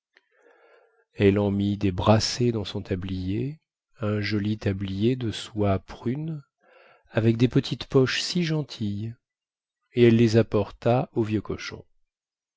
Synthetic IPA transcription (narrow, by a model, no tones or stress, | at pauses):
ɛlɑ̃mid̪ebʁased̪ɑ̃sɔ̃t̪ablije | ɛ̃ʒɔlit̪ablijed̪əswapχyn | avɛk̚d̪epət̪ʰit̪pɔʃsiʒɑ̃t̪ʰij | eɛlːezapɔʁt̪aovjøkɔ̰ʃɔ̰̃